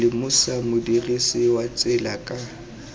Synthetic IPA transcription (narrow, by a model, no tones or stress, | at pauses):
ɪmʊsamʊdirisɪwat͡sʼɪlakʼa